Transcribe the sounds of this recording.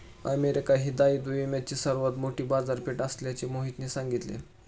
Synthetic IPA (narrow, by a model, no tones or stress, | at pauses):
ə̰meɾikaɦiːd̪aiːd̪uimat͡ɕiːsəɾʋət̪moʈiːbad͡zaɾpeʈəsljat͡ɕemoɦit̪niːsaŋɡit̪lḛ